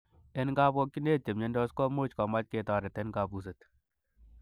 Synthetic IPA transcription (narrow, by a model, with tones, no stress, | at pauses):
e˦nɡa˦bɔ˦kːi˦ne˦te˨mɲe˦ndɔ˦skɔ˦mo˦t͡ʃkɔ˨ma˦t͡ʃ̚ke˨ta˨ɾɛ˨tɛ˦nka˨pu˨s̬e˨t